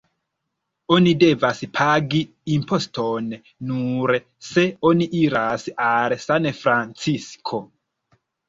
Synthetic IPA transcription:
o̞nide̞vaspʰaɡi | impʰo̞sto̞nː | uɾ | se̞o̞niʔiɾasalsanfɾant͡siskʰo̞

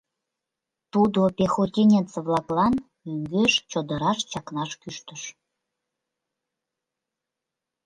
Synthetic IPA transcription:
t̪ud̪opʲexot̪ʲinʲent͡svlɑklɑn | yŋɡøʃt͡ɕod̪əɾɑʃt͡ɕɑknɑʃkyʃt̪ə̆ʃ

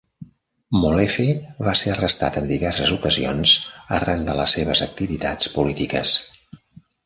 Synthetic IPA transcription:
mulefeβaseərəst̪a̰t̪ənd̪iβɛrsəzukəzionsz̥ərand̪ələsːeβəzək̚t̪iβit̪a̰t͡spulit̪ikəs

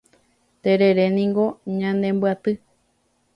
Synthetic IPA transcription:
t̪eɾeɾe̞nĩŋɡo̞ɲãnd̪ẽ̞mbɨat̪ɨ

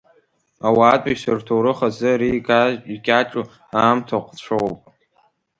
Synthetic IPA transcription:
awaːtʷʼasɨrtʰoɾɨχazɨɾiɡaʒʼiɡʲʼaʈ͡ʂʼu | aːmtʰaqʷʰʼʈ͡ʂʷʰopʼ

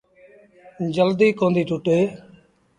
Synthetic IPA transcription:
d͡ʒəld̪iːkõːnd̪iːʈʊʈeː

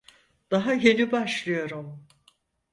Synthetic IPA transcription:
d̪̥aɦaje̞nibaʃlˠɯjo̞ɾum

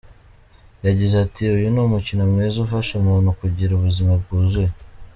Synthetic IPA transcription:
jaɟizeatiujunumucinomŋezufaʃemunukuɟiɾuβuzimab̚ɡuːze

